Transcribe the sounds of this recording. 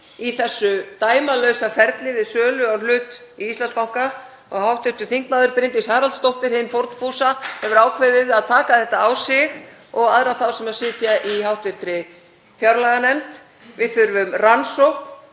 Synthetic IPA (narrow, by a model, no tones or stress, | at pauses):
iθɛsːʏt̪aːjmalœɥsafɛɾt̪lɪvɪðsœːlʏawlʏːt̪iist̪lanspawŋka | ɔɣhawht̪vɪɾt̪ʏ̥ɾθiŋknaːðʏɾpɾɪnt̪ɪshaːɾalt̪st̪owht̪ɪɾ̥hɪnːfowɾt̪nfuːsahɛvʏɾaːwkʰvɛðɪðaðt̪ʰaːkaθɛht̪aːwsɪx | ɔɣaðɾaθawsɛmɛ̥sɪːt̪jaʔihawht̪vɪɾ̥t̪ɾɪ | fjawɾlaɣanɛmt̪ | vɪðθʏɾvʏmransowhp